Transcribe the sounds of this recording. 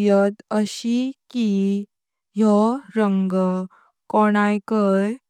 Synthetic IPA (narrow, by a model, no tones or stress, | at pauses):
jət̪əɕiki | jɔɾəŋɡ | kɔɽ̃ajkəj